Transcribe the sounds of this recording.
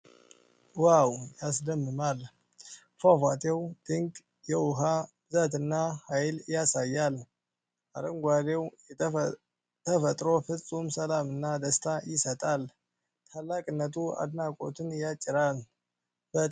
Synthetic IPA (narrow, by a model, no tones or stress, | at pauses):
wawjasd̪əmːɨmal | fafat̪ʰʼewd̪̥ɨŋɡ | jɛwʊɦabɨzat̪ɨnːahajljasajːal | aɾəŋɡʷad̪ew | t̪ʰəfət̪ʼɾo̞fɨsʼumsəlamɨnːad̪əst̪ʰajɪsət̪ʼal | t̪ʰalːakʼɨnːət̪ʰua̰d̪nakʼo̞̰t̪ʰɨnjat͡ʃʼːɪɾal | bə